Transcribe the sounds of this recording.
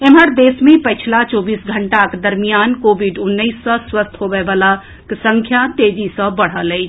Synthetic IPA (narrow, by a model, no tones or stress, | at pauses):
eməɾd̪esmepəjt͡ʃʰilat͡ʃobisɡʱəɳʈakd̪əɾmijankobiɖunːəsːə̃swəst̪ʰɦobebala | ksəŋkʰjat̪ed͡ʒisə̃bəɽ̤ələɪt͡ʃʰ